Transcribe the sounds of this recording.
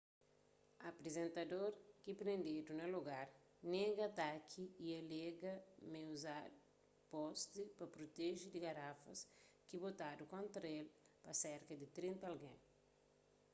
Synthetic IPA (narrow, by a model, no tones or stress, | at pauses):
ɐpɾezẽnt̪ɐdoɾkipɾẽnd̪ed̪unɐloɡaɾ | neɡɐt̪akʰiiɐleɡɐmewza | pɔst̪ɪpɐpɾot̪eʒid̪iɡaɾafɐs | kibot̪ad̪ukõnt̪ɾɐelpɐseɾkɐd̪it̪ɾĩnt̪ɐalɡḛ̃